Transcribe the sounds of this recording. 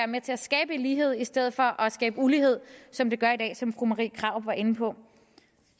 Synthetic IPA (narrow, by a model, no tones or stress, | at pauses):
æɐmet͡sʰe̝æsɡ̥ɛːb̥əenliːɦe̝ð̞̰ˠisd̥eð̞̰̩ˠfɒ̽ʔɒsɡ̥ɛːb̥əuliɦe̝ð̞̰ˠsɒ̽md̥e̝ɡ̥ɶɐid̥ɛ̰ːsɒ̽mfʁumɑʁḭːkʰʁɑ̈ʊ̰̥ʋɑ̈ʔe̝nn̩pʰɒ̽